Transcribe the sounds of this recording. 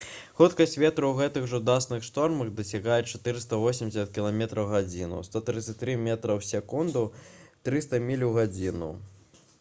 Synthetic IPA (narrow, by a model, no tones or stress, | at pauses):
xut̪kɐsʲt͡sʲvʲɛt̪ɾɐwɣɛt̪ɨɣʐɐud̪asnɨxʂt̪ɔrmɐɣd̪ɐsʲaɣajɛt͡ʂat̪ɨɾɨst̪ɐvɔsʲimʲdʲɪsʲɐt̪̚kʲilˠamʲɛt̪ɾɐwɣad͡zʲinṵst̪ɔt̪ɾɨt̪sɐt̪ɾɨmʲɛt̪ɾɐwsʲɛkund̪ut̪ɾɨst̪ɐmʲilʲuɣad͡zʲinṵ